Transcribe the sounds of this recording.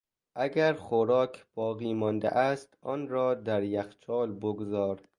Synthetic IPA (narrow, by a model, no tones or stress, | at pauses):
ʔæɡæɾxoɾɒːkʰb̥ɒːɣiːmɒnd̪ḛʔæst̪ʔɒːnɾɒːd̪æɾjæxt͡ʃʰɒːlboɡozɒːɾ